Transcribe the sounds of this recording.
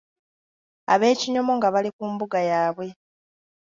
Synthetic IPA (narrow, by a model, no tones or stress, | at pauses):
a̰βe̞ːciɲo̞mo̞ŋɡaβalikuːmbuɡajaːβwe̞